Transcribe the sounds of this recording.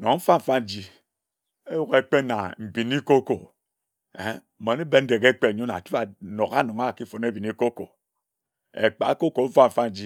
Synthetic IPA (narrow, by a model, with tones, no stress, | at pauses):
no˨ŋ˦m̩˦fa˦ɱ̩˨fa˦n̩˦d͡ʒi˦ | e˦wo˦ɣe˦k͡pe˦na̰˨m̩˨bi˨n˦i˦ko˦ko˨˦˨ | ma˨ne˦be˦n̩˦de˨ke˦k͡pe˦˨ɲo˦na̰˨tu˦a˨no˨ka˦no˨ŋa˦˨ki˦fo˨n˦e˦bi˨ni˦ko˦ko̰˨ | ḛ˨k͡pa̰˨˦ko˦ko˨m̩˦fa˦m̩˨fa˦n˨˦d͡ʒi˦